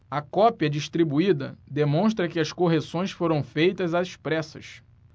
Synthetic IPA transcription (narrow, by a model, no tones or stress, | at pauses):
ɐkɔpiɐd͡ʒiʃt̪ɾibuid̪ɐ̰d̪emõʃt̪ɾɐkɪɐskoɦesõj̃sfoɾɐ̃w̃fejt̪ɐzaiʃpɾɛsɐ̰ʃ